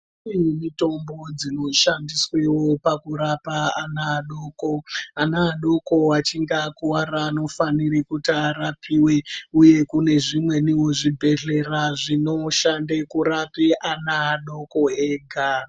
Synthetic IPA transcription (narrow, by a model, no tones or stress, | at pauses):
imito̞mbo̞d͡zino̞ʃandiswewo̞pakuɾapaanaːɗo̞ko̞anaːɗo̞ko̞at͡ʃiŋɡakuwaɾaːno̞fanirikutiarapiwe̞uje̞kune̞ʐimwe̞niwoʐibʱe̞ɮe̞raʐino̞ʃandekuɾapeʔanaːɗo̞ko̞eːɡʱa